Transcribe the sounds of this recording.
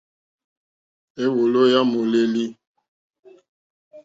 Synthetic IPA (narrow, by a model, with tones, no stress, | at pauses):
e˦wo˨lo˦ja˦mo˨le˦li˦